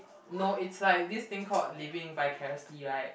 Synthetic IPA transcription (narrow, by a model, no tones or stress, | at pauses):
noitslaɪk̚dist̪ɪ̃ŋkʰɔtlivɪ̃ŋbajkʰɛɛsdiaj